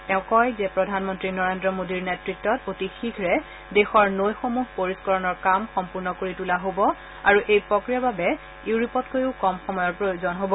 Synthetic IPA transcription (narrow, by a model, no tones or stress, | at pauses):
tɛʊ̃kɔjzɛpɹɔdʱanmɔntɹinɔɹendɹɔmodiɹnetɹitːɔtotixikʰɹɛ | dexɔɹnojxomuɦpoɹiskɔɹɔnɔɹkamxɔmpuɹnɔkoɹitulaɦobɔ | aɹuʔejpɹɔkɹijababɛ | iwɹipɔtkojiʊkɔmxɔmɔjɔɹpɹojuzɔnɦobɔ